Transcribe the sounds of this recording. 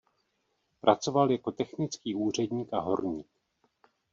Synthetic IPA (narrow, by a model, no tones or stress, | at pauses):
pɾʔat͡so̞valjako̞t̪ɛxnɪt͡skiːʔuːr̝ɛdɲiːkʔaɦo̞̰ɾɲiːk̚